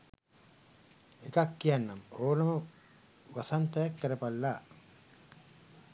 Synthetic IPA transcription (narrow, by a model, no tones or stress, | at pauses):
ekakːijanːamoːnɐmə | ʋasant̪ɐjakːəɾəpalːa